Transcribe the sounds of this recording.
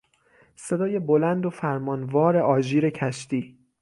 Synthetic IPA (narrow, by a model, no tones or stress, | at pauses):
se̞d̪ɒːje̞bo̞lænd̪ofæɾmɒːnvɒːɾe̞ʔɒːʒiːɾe̞cʰæʃt̪iː